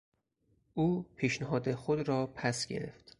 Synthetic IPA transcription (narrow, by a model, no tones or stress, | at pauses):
ʔuːpʰiːʃneɦɒːd̪exod̪ɾɒːpʰæsɡḛɾḛft̪